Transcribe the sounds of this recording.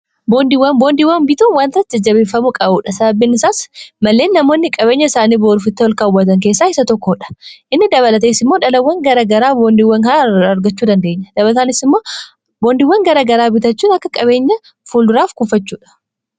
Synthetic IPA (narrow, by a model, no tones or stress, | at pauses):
boːnd̪iwːɐnbo̞ːnd̪iːwːɐnbɪt̪uːnwaːnt̪ɐɐt̪d͡ʒɐd͡ʒːɐβe̞ːfːɐmʊkʼɐbuːᶑɐsɐbɐbːinɪsaːsmɐlːe̞ːnːɐmo̞ːnːɪkʼɐβe̞ːɲːɐɪsaːniːboːɾʊfɪt̪ːɪwɔlkaːʊwːɐt̪ɐŋke̞ːsːaːɪsɐt̪ɔkːoːᶑɐ̥ʔɪnːɪd̪ɐβɐlɐt̪eːsɪmːo̞ːᶑɐlɐwːɐŋɡɐɾaɡɐɾaːboːnd̪iːwːɐŋkɐɐɾɡɐt͡ʃːuːd̪ɐnd̪e̞ːɲːɐd̪̥ɐβɐlɐt̪anɪsɪmːoː | boːnd̪iwːɐŋɡɐɾaːɡɐɾaːbɪt̪ɐt͡ʃːuːnɐkːɐkʼɐbe̞ːɲːɐ | fuːld̪ʊɾaːfkʊfɐt͡ʃːuːᶑɐ̥